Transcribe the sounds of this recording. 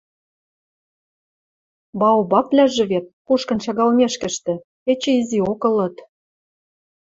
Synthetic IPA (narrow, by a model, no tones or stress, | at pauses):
bɑobɑplʲæʒɘ̆βet̪̚kuʃkɤ̆nt͡ɕɑɣɑlmeʃkə̆ʃt̪ɘ̆ | et͡ɕĕiziokɤ̆lɤ̆t̪